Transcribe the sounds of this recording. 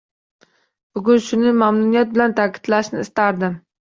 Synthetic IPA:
b̥ʊɡʲʊnʃʊnɪmamnʊnijat̪̚bɪlant̪ʰakʲʰɪ̥d̪laʃnɪːst̪aɾd̪ɪm

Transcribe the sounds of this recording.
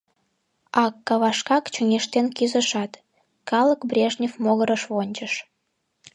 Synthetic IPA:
ɑkːɑβɑʃkɑkt͡ɕuŋeʃt̪enkyzəʃɑt̪ | kɑləkbrʲeʒnʲifmoɣəɾəʃβonʲt͡ɕəʃ

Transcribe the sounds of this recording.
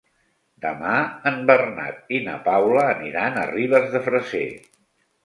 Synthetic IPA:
d̪əmaəmbərna̰t̪̚inə̰pawləːniɾanəriβ̞əzðəfɾəzḛ

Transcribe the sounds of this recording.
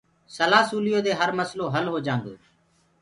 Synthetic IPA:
səlaːsuːlɪjoːd̪eːɦəɾməsloːɦəlɦoːd͡ʒãːnɡ̪o̰ː

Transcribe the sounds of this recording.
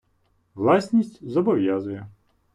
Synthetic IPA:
ʋlˠɑsʲnʲisʲtʲzɔbɔʋʲjazʊjɛ

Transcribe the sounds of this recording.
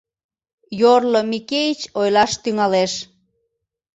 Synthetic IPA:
jorlomikeit͡ɕojlɑʃt̪yŋɑleʃ

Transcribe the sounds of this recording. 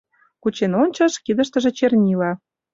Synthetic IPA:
kut͡ɕenonʲt͡ɕɑʃkid̪ə̆ʃt̪ə̆ʒĕt͡ɕernʲilɑ

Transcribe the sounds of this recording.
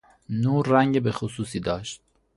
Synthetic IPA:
nuːɾːæŋɟebexosuːsiːd̪ɒːʃt̪̚

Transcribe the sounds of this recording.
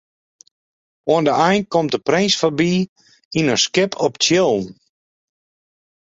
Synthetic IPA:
oəndəɛjnkɔmt̚dəprɪnsfabi | inənskɪpʰɔptjɪlˠn

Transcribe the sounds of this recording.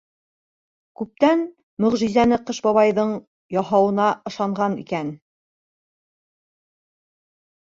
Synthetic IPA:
kʉp̚t̪æn | mɵ̆ʁʒizænɘqɤʃbɑβɑjðɤɴ | jɑɦɑwɤ̆nɑʔɤ̆ʃɑɴʁɑnḭkæn

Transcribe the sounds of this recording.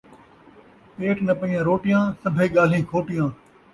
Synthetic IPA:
peːʈnəpəijãːɾoːʈɪjãːsəbʱeːɠaːl̤ĩːkʰoːʈɪjãː

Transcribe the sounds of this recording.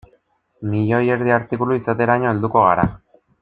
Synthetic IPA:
miʎo̞je̞ɾðiaɾt̪ikuluisat̪e̞ɾaɲo̞eld̪uko̞ɣaɾa

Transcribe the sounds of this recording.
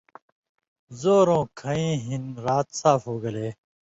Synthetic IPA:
zoːɾõːkʰɐĩːɦinɾaːt̪saːfoːɡɐleː

